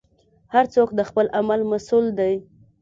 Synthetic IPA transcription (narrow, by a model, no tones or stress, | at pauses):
haɾt͡sokd̪əxpəlʔamalmasuld̪aj